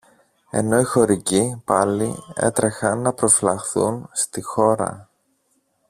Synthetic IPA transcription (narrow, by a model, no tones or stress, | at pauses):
e̞̰no̞ixo̞ɾicipɐlie̞̰t̪ɾe̞xɐnːɐpɾo̞flɐxθunst̪ixo̞ɾɐ̰